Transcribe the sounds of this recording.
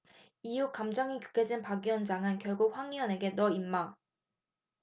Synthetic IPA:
ijukamd͡ʑʌŋikju̥k͈ʰed͡ʑinpaɡiʌnd͡ʑaŋɯnkjʌɭɡoɸwaŋiʌne̞ɡe̞nʌimːa

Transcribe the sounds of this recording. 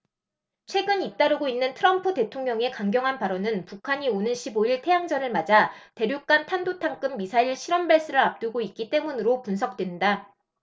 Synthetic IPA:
t͡ɕʰwe̞ɡɯnit͈aɾɯɡoinːɯntʰɯɾʌmpʰɯde̞tʰoŋɲʌŋe̞kaŋɡjʌŋɦanpaɾʌnɯnpukʰaɲionɯnɕʰiboiɭtʰe̞jaŋd͡ʑʌnɯɭmad͡ʑate̞ɾjok͈antʰandotʰaŋk͈ɯmːisʰaiɭɕʰiɾʌmbeɭs͈ɯɾɯɭap̚t͈ɯɡoit̚k͈it͈e̞munɯɾopunsʰʌk̚t͈we̞nda

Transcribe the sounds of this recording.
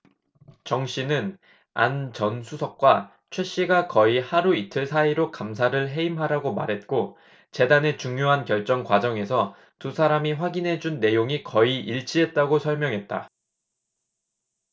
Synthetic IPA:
t͡ɕʌŋɕ͈inɯn | a̰nt͡ɕʌnsʰusʰʌk̚k͈wa | t͡ɕʰwe̞ɕ͈iɡakʌihaɾuitʰɯɭsʰaiɾokamsʰaɾɯɭɦe̞imɦaɾaɡoma̰ɾɦe̞t̚k͈o | t͡ɕe̞dane̞t͡ɕuŋjoɦankjʌɭt͡ɕ͈ʌŋkwad͡ʑʌŋe̞sʰʌ | tusʰaɾamiɸwaɡinɦe̞d͡ʑunːe̞joŋikʌiʔiɭt͡ɕ͈ʰiɦe̞t̚t͈aɡosʰʌɭmjʌŋɦe̞t̚t͈a̰

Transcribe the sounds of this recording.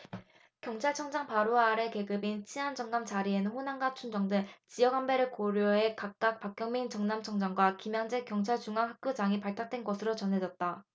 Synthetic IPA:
kjʌŋt͡ɕʰaɭt͡ɕʰʌŋd͡ʑaŋpaɾoaːɾe̞ke̞ɡɯbint͡ɕʰiɦand͡ʑʌŋnamt͡ɕaɾienɯnɸonaŋɡat͡ɕʰund͡ʑʌŋdɯɭt͡ɕijʌɡambeɾɯɭkoɾjoɦe̞kak̚k͈ak̚pak͈jʌŋmeint͡ɕʌŋnamt͡ɕʰʌŋd͡ʑaŋɡwakimjaŋd͡ʑekjʌŋt͡ɕʰaɭt͡ɕuŋaŋɦak̚k͈jod͡ʑaŋipaɭtʰak̚t͈we̞nɡʌsʰɯɾot͡ɕʌnɦe̞d͡ʑʌt̚t͈a

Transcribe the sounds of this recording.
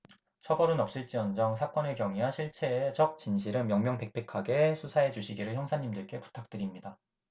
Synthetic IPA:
t͡ɕʰʌbʌɾɯnʌp̚ɕ͈iɭt͡ɕ͈iʌnd͡ʑʌŋsʰak͈ʌnɯɭkjʌŋiɦaɕʰiɭt͡ɕʰe̞t͡ɕʌk̚t͡ɕinɕʰiɾɯnmjʌŋmjʌŋpe̞k̚p͈ʰe̞kʰaɡe̞sʰusʰae̞d͡ʑuɕʰiɡiɾɯɭçjʌŋsʰaɲimdɯɭk͈e̞pu̥tʰak̚t͈ɯɾimɲida

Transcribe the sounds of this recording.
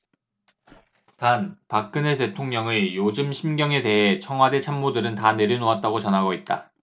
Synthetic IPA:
tanpak͈ɯnete̞tʰoŋɲʌŋejod͡ʑɯmɕʰimɡjʌŋe̞de̞ɦe̞t͡ɕʰʌŋɦwade̞t͡ɕʰamːodɯɾɯntane̞ɾjinoat̚t͈aɡot͡ɕʌnɦaɡoit̚t͈a̰

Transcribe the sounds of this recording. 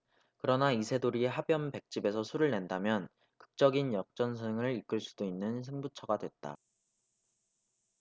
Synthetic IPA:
kɯɾʌnaisʰe̞doɾieɦabjʌmpe̞k̚t͡ɕ͈ibe̞sʰʌsʰuɾɯɭne̞ndamjʌn | kɯ̥k̚t͡ɕ͈ʌɡinjʌk̚t͡ɕ͈ʌnsʰɯŋɯɾik͈ɯɭs͈u̥d̥oinːɯnsʰeŋbut͡ɕʰʌɡadwe̞t̚t͈a̰

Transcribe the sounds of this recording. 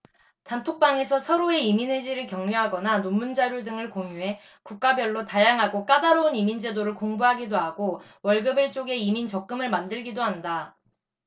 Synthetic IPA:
tantʰok̚p͈aŋe̞sʰʌsʰʌɾoe̞iminwed͡ʑiɾɯɭkjʌŋɲuɦaɡʌnanommund͡ʑaɾjodɯŋɯɭkoŋjuɦe̞ | kuk̚k͈abjʌɭːotajaŋɦaɡok͈adaɾounimind͡ʑe̞doɾɯɭkoŋbuɦaɡidoɦaɡo | wʌɭɡɯbiɭt͡ɕ͈oɡe̞imint͡ɕʌk̚k͈ɯmɯɭmandɯɭɡidoɦanda

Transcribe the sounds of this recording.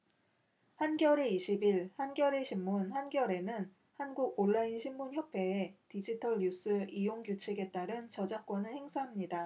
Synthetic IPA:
hanɡjʌɾeiɕʰibiɭhanɡjʌɾe̞ɕʰimːunhanɡjʌɾe̞nɯn | hanɡuɡ̚oɭːainɕʰimːunçjʌpʰe̞ːtid͡ʑitʰʌɭɲus͈ɯijoŋɡjut͡ɕʰeɡe̞t͈aɾɯnt͡ɕʌd͡ʑak̚k͈wʌnɯɭhe̞ŋsʰaɦamɲida

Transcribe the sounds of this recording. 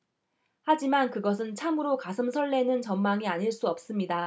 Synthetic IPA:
had͡ʑimankɯɡʌs̬ʰɯnt͡ɕʰamɯɾokasʰɯmsʰʌɭːe̞nɯnt͡ɕʌmmaŋiaɲiɭs͈uʌp̚s͈ɯmɲida

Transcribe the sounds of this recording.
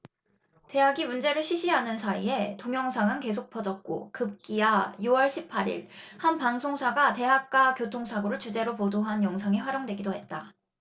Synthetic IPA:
te̞ɦaɡimund͡ʑe̞ɾɯɭɕʰiɕʰiɦanɯnsʰaie̞toŋjʌŋsʰaŋɯnke̞s̬ʰok̚pʰʌd͡ʑʌt̚k͈o̰kɯp̚k͈ijajuwʌɭɕʰipʰaɾḭɭhanpaŋsʰoŋsʰaɡate̞ɦak̚k͈akjotʰoŋsʰaɡɯɾoɭt͡ɕud͡ʑe̞ɾopodoɦanjʌŋsʰaŋiɸwaɾjoŋdwe̞ɡidoɦe̞t̚t͈a

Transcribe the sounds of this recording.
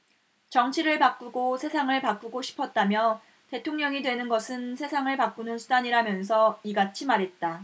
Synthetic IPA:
t͡ɕʌŋt͡ɕʰiɾɯɭpak͈uɡosʰe̞sʰaŋɯɭpak͈uɡoɕʰi̥pʰʌt̚t͈amjʌ | te̞tʰoŋɲʌŋidwe̞nɯnɡʌsʰɯnsʰe̞sʰaŋɯɭpak͈unɯnsʰudaɲiɾamjʌnsʰʌiɡat͡ɕʰimaɾɦe̞t̚t͈a

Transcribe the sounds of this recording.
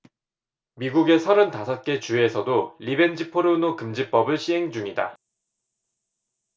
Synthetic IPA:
miɡuɡe̞sʰʌɾɯntasʰʌt̚k͈e̞t͡ɕue̞sʰʌdoʎibe̞nd͡ʑipʰoɾonokɯmd͡ʑip͈ʌbɯɭɕʰiɦe̞ŋd͡ʑuŋida̰

